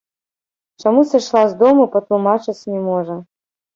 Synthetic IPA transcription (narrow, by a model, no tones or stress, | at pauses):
t͡ʂamusɨʂlˠazd̪ɔmɐpɐt̪lˠumat͡ʂɨt͡sʲnʲɛmɔʐɐ